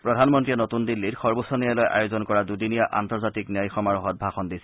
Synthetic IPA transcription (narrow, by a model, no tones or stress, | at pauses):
pɹɔdʱanmɔntɹiɛnotundilːitxɔɹbosɔnijalɔjʔa̰jozɔnkɔɹadudinijaʔa̰ntɔɹzatiknijajxɔmaɹɔɦɔt̚bʱaxɔndisɛ̥